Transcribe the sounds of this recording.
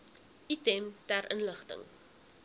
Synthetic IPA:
itɛmtæɾʔənləχtə̰ŋ

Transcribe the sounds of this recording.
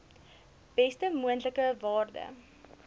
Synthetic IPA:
b̥ɛstəmuəntləkəvɑːrdə̰

